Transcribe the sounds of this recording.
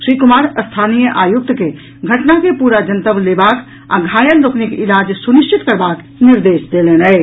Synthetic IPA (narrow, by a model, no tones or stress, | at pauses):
ʃɾiːkʊmaːɾəst̪ʰaːnijəʔaːjʊk̚t̪ke | ɡʱɐʈnakepuːɾad͡ʒənt̪əʋleːbaːk | əɡʱaːjəlɾoknɪkɪlaːd͡ʒsʊnɪʃt͡ʃɪt̪kəɾbaːk | nɪɾd̪eːʃd̪eːleːnɛe